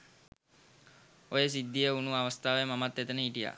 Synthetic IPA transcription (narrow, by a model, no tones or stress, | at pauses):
ojəs̬id̪ːijəunuaʋəst̪aːʋemamat̪ːɛt̪ənəiʈija̰